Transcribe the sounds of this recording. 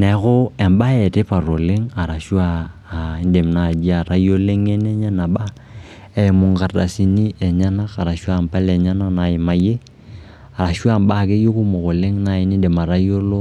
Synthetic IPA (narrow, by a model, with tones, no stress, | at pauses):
nɛ˨˦kʊ˦ɛ˨mba˦ɛ˨te˦pa˨ɾo˨le˦ŋa˨ɾa˨ʃwaː˦˨˦ | nde˨mna˨d͡ʒi˦a˨ɾa˦jo˦le˦ŋɛ˦nɛ˦ɲa˦na˨ɓa˦ | ɛ˨mʊ˨ŋka˨da˨si˨ni˦ɛ˨ɲa˦na˦ka˨ɾa˨ʃwa˦˨mpa˦lɛ˨ɲa˦na˦na˨ɪ˨ma˨je˦ | a˨ɾa˨ʃu˦a˦˨mba˦˨ke˦jo˦kʊ˦mo˨ko˨le˦ŋna˨ɪ˨ni˦de˨ma˨ɾa˦jo˦lo˦